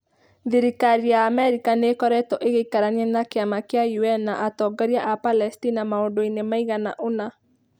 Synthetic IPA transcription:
ðiɾikaɾijaːmɛɾikanekɔɾɛtɔʔeɣeikaɾaɲɛnakeamakeajuɛnaʔatɔɡaɾiaʔapalɛstinamaondoinemaiɣana̰ʔona

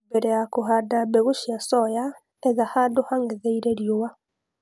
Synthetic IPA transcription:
bɛɾɛjakoɦadabeɣoʃiasɔja | ɛðahaːndohaŋɡeðeiɾeɾjowa

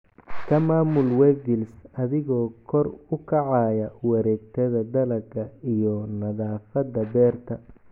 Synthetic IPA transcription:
kʰɐmaːmʊlwɛɡɪlsɐðɪɣɔːkʰɔrʊkʰɐʕɑːjɐwɐɾɛːɡ̚t̪ʰɐðɐd̪ɐlɐɡɐijɔnɐðaːfɐd̪ɐbɛːrt̪ʰɐ

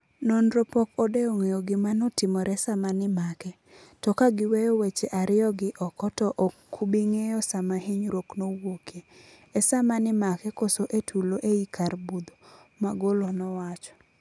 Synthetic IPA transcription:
nɔnɾopɔkɔdeoŋejoɡɪmanɔtɪmɔɾɛsamanɪmakɛ | tɔkaɡɪwejowet͡ʃeʔaɾɪɔɡɪʔɔkɔtɔʔɔkʰːubiŋejɔsamaɦiɲɾoknowoke | ɛsamanɪmakɛkosoʔetʰuloʔeikarbud̪omaɡolonɔwat͡ʃɔ̥

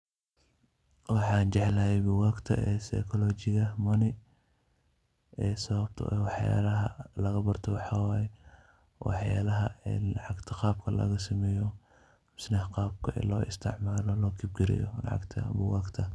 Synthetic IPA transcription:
wɑħɑːnt͡ʃɛʕlɐɦɛjbʊwaːɡt̪ʰɐ̰ʔɛːsɐ̰jkʰɔlɔːt͡ʃɪɣɐmɐnɪ | ɛːsɐβɐb̚t̪ʰʊ̰ʔɛ̰wɑħja̰ːlɐɦɐlɐɣɐbɐrt̪ʰɔwɑħɑwaːjɛ | wɑ̰ħja̰ːlɐɦɐɛːlɑʕɑɡt̪ʰɐqɑːb̚kʰɐlɐ̰ɣɐsɐmɛːjɔ | msnɐhqɑːb̚kʰɐʔɛ̰ːlɔːʔɪ̰st̪ʰɪʕmaːlɔlɔːkʰib̚ɡɪɾɪ̰jɔ̰lɑ̰ʕɑ̰ɡt̪ʰɐ̰bʊwaːɡt̪ʰɐ

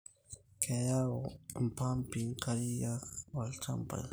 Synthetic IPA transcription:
kajaompampɪkaɾijawalt͡ʃa̰mpa̰j

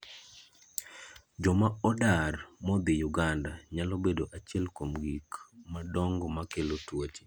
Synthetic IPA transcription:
d͡ʒɔmaɔdarmɔd̪ɪjuɡandaɲalɔbedoʔat͡ʃiɛlkomɡikmadɔŋɡɔmakelotwot͡ʃe̥

